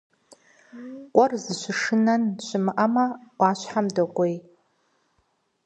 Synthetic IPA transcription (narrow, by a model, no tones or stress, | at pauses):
kʷʼɔrzɨʃʷɪʂɨnanʃʷɪmʔamawʷaːʃʷħamdakʷʼej